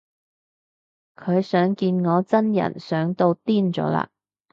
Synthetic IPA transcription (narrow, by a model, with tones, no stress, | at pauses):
kʰɵ˨˧ɥsœː˨˥ŋkiː˧nŋɔː˨˧t͡sɐ˥njɐ̰˨˩nsœː˨˥ŋt̪o˧wt̪iː˥nt͡sɔ̰ː˨˥la̰ː˧